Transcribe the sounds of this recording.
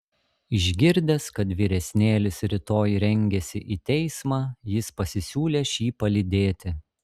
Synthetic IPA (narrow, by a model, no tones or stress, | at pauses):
ɪʒʲɡʲɪɾʲd̪ʲɛskɐt̪ʋʲiːɾʲɛsʲnʲeːlʲɪsɾʲɪt̪oːjɾʲɛŋʲɡʲɛsʲɪʔiːt̪ʲɛɪsmɑːjɪspɐsʲɪsʲuːlʲeːʃʲiːpɐlʲɪd̪ʲeːt̪ʲɪ